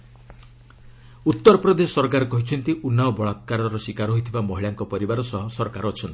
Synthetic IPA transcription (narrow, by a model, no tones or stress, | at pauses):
ut̪ːɔɾɔpɾɔd̪esɔ̥sɔɾkaɾɔkɔɦit͡ʃʰɔnt̪iʔunːaɔbɔɭat̪̚kaɾɔɾɔsikaɾɦoɦit̪ʰibamɔɦiɭaŋkɔpɔɾibaɾɔsɔɦɔsɔɾɔkaɾɔːt͡ʃʰɔnt̪i̥